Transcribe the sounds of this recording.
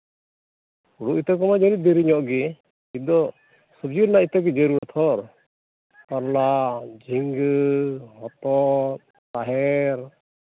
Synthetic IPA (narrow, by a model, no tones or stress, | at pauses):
uɽuʔit̪ɔk̬ɔmad͡ʒaɾid̪ɛɾiɲɔʔɡɛ | id̪ɔ | səb̚d͡ʒuɾnait̪akɛd͡ʒəɾuɔt̪ʰɔɾ | k̪aɾlad͡ʒiŋɡəhɔt̪ɔt̪ | t̪aɦɛɾ